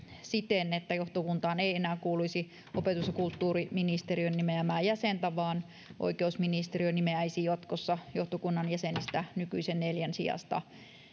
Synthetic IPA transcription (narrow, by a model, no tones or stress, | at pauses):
sit̪enet̪ːæjoht̪okunt̪ɑːneienæːkuːluisi | ʔopet̪usɑkult̪ːuːriminist̪erionːimeæmæːjæsent̪æʋɑːn | ʔo̰ikeusminist̪erionimeæisijot̪kosːɑjoht̪okunːɑnjæsenist̪ænykyisenneljænsḭɑ̰st̪ɑ̰